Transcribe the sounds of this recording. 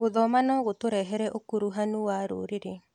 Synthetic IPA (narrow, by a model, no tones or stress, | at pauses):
ɣoðɔmanɔɣotoɾɛɦɛɾɛʔokuɾuɦanuwaɾo̰ːɾeɾe